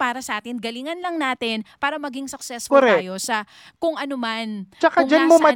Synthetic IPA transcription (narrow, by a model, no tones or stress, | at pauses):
paːɾɐsɐʔaːt̪ɪnɡɐlɪŋɐnlɐŋnaːt̪ɪnpaːɾɐmɐɡɪŋsʊk̚sɛskoɾɛjo̞sɐ | kʊŋʔɐnomant͡ʃɐkad͡ʒanmomɐ